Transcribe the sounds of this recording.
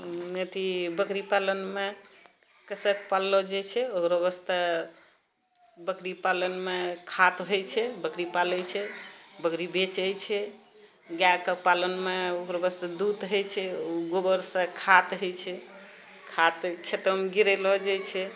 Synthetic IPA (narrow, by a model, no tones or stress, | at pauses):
net̪ibəkɾipalənme | kəsək̚palːɔd͡ʒajt͡ʃʰɛokɾɔbəst̪ə | bəkɾipalənmekʰat̪ɦojt͡ʃʰɛbəkɾipalɛt͡ʃʰɛbəkɾibet͡ʃəjt͡ʃʰɛ | ɡjakəpalənmeokɾɔbəst̪əd̪ud̪ɦojt͡ʃʰɛuɡobəɾsə̃kʰat̪ɦojt͡ʃʰɛ | kʰat̪kʰet̪əmɡiɾelɔd͡ʒajt͡ʃʰɛ